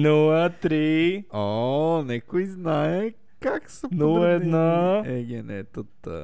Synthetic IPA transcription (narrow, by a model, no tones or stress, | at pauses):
nulˠət̪ɾiɔnɛkʊiznaɛ | kaksənulˠɛd̪naɛɡʲɛnɛ̰t̪ət̪ːə̰